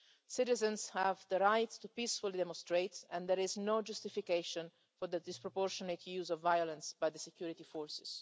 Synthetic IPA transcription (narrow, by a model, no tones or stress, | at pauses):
sɪt̪izə̃nshɛvd̪əɾajt̪ːupisfulid̪ɛmɔ̃nst̪ɾejt̪ɛ̃nd̪ɛɾiznod͡ʒust̪ifikeʃɔ̃n | fɔɾd̪əd̪ispɾɔpɔɾʃɔnet̪ʰjuːzɔvːajɔlɛ̃nsbajd̪əsɛkjuɾit̪ifɔːɹsɪ̥s